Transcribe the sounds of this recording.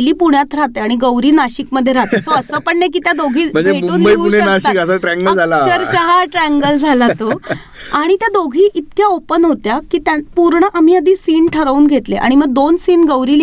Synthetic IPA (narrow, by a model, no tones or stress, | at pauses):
liːpuɳjat̪ɾat̪eaɽ̃iɡəwɾiːnaɕikməd̪ʱjeɾat̪esoəsəːpəɳːek̬it̪jad̪oɡʱiːm̤əɳd͡zeemuuːmnbəiunenaɕikəsəʈɾɛ̃ŋɡəd͡zʱalaəɾɕəɦaʈɾæŋɡəld͡zʱalat̪o | aɽ̃it̪jad̪oɡʱiːʔit̪kjaopənɦot̪jakiːt̪japuɾɳəʔam̤iːəd̪ʱiːsiːnʈʰəɾuːnɡʱet̪leʔa̰ɽ̃iməɡ̚d̪onsiːnɡəwɾiːl